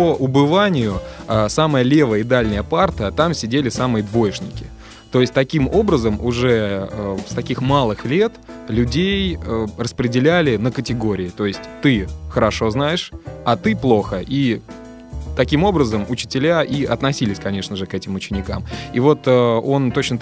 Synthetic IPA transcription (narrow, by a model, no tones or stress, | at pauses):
pəʔʊbɨvanʲɪjʊəsaməjəlʲe̞vəjɪd̪alʲnʲɪjəpart̪ət̪amsʲɪdʲelʲɪsamɨjəd̪vo̞jɪʂnʲɪkʲɪ | t̪o̞jɪsʲtʲt̪ɐkʲimo̞bɾəzəmʊʐɛəst̪ɐkʲixmalˠɨxlʲe̞t̪lʲʉdʲejərəspɾʲɪdʲɪlʲælʲɪnəkətʲɪɡo̞ɾʲɪːt̪o̞ɪsʲtʲt̪ɨxəɾɐʂo̞znajɪʂɐt̪ɨplˠo̞xəʔi | t̪ɐkʲimo̞bɾəzəmʊt͡ɕɪ̥tʲɪlʲaʔiɐt̪nɐsʲilʲɪsʲkɐnʲe̞ʂnəʐɨkɛtʲɪmʊt͡ɕɪnʲɪkamivo̞t̪əo̞nt̪o̞t͡ɕnə